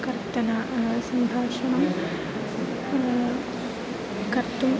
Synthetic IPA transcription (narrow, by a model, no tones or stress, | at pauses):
kɐrt̪ɐnɐʔsɐnd̪ʱaːʂɐɳɐm | kɐrt̪ːum